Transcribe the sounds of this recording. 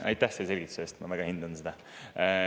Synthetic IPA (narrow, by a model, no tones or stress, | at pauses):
ɑ̰jt̪ːˑæhseselɡ̥it̪ːu̥seːst̪mɑvæɡ̥ɑhind̪̥ɑnsed̪ɑ